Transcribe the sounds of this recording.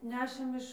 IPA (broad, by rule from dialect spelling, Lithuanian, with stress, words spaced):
ˈnʲæːʃʲeːm ɪʃ